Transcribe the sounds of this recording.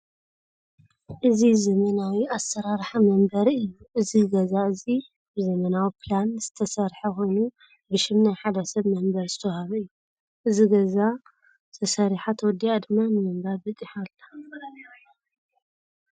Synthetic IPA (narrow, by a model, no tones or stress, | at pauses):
ʔɨzizɐmɐnawiasːɐɾaɾħamɐmbɐɾɨjːuʔɨziɡɐzaɨzi | bɨzɐmɐnawipʰlanz̥ɨt̪ʰɐsɐɾħɐko̞jnu | bɨʃɪmnajħad̪ɐsɐβmɐmbɐɾzɨ̥t̪ʰɐwhaβɐɨjːu | ʔɨziɡɐza | zʰɐsɐɾiħat̪ʰwɔd̪ːiad̪ɨmːanɨmɨmbaɾbɨt̪ʼiħalːḁ